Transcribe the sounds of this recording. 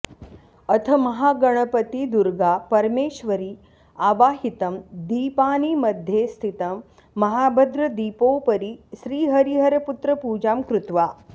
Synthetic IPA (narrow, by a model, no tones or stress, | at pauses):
ɐt̪ʰɐmɐɦaːɡɐɳ̃ɐpɐt̪id̪uɾɡaːpɐɾmeːʃʋɐɾi | aːʋaːɦit̪ɐmd̪iːpaːniːmɐd̪ʱjeːst̪ʰit̪ɐmː | ɐɦaːbʱɐd̪ɾɐd̪iːpoːpɐɾiʃɾiːɦɐɾiɦɐɾɐput̪ɾɐpuːd͡ʒaːmkɾʊt̪ʋaː